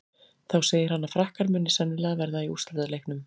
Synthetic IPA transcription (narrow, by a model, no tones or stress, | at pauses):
θawseːjɪɾ̥hanːafɾahkaɾmʏnːɪsɛnːɪlɛːɣavɛɾðaiust̪aɾt̪alejknʏm